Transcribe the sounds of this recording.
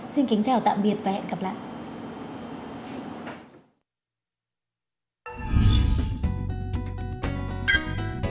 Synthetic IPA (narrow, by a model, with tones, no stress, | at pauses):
si˧nkï˨˦ŋ̟t͡ɕaː˨˩wt̪a̰ː˧˨mɓi˨˩ət̚vaː˨˩hɛ̰˧˨nkə˨˩p̚la̰ː˧˨jʔ